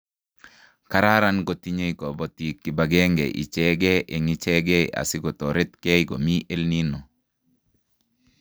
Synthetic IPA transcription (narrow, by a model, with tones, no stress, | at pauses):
ka˦ɾa˦ɾa˦nɡo˨ti˦ɲe˦i˦kɔ˨bɔ˨ti˨kːi˨ba˨ɡɛ˦ŋɡɛ̰˨ʔḭ˨t͡ʃɛ˦ɡɛ˦ʔe˨ŋi˨t͡ʃɛ˦ɡɛ̰˦˨a̰˨sɪ˦ɡɔ˨tɔ˨ɾɪ˦t̪kɛ˦iɡɔ˨mi˦ʔe˦lni˦nɔ˨